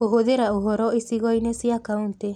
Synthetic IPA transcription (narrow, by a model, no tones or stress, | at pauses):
oɦod̪eɾauɦoɾoʔisiɡoinesiakaunt̪e